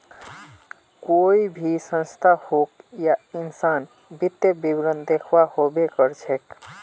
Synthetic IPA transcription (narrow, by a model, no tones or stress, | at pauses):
koibʱisə̃nst̪ʰahokjainsan | bit̪ːebibɾənd̪ekʰʋahobekəɾt͡ʃʰek